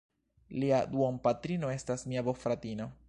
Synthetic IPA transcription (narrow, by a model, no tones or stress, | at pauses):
liad̪uompatɾino̞e̞stasmiabofɾatino̞